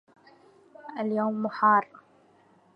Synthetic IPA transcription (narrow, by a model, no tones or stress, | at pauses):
ʔaljoːmːʊħɑːrˤ